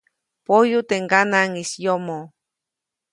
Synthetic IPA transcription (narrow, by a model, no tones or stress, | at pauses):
pojut̪eŋɡanaŋisjomo